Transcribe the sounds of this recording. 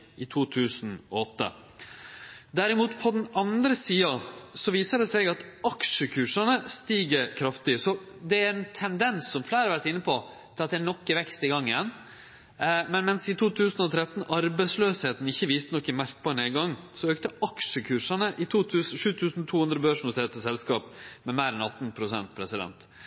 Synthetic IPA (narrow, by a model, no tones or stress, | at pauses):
ɪt̪ʰuːt̪ʰʉːsnɔ̰ɔt̪ːə̰ | d̪æɾɪmuːt̪pʰɔd̪ɛnɑnd̪ɾəsiːɑsɔʋiːsəɖ̪ɛsɛɡɑt̪ɑkʂəkʰʉːʂɑnəst̪iːɡəɾkʰɾɑft̪ɪsɔ | d̪ɛæɾɛnt̪ʰɛnd̪ɛnsːɔmflæːɾɑʋæɾʈɪnːəpʰɔ | t̪ʰɪlɑt̪̚d̪ɛænɔkːəʋɛkst̪ɪɡɑŋːɪjɛnː | mɛnmɛnsɪt̪ʰuːt̪ʰʉːsn̩ɔt̪ʰɾɛt̪ːnɑɾbɛɪsløːsheːt̪n̩ɪçːəʋiːst̪ənɔkːɪmæɾk̚bɑɳəɛɡɑŋːsɔøːk̚t̪əɑkʂəkʰʉːʂɑnəʔɪt̪ʰuːt̪ʰʉːsʂʉːt̪ʰʉːsnt̪ʰuːhʉnd̪ɾəbøːʂnʊt̪ʰeːt̪əsɛlskɑːpmɛmæɪɾɛnɑt̪ːnpʰɾʊsɛ̰nt̪̚pʰɾɛsɪd̪ɛ̰nt̪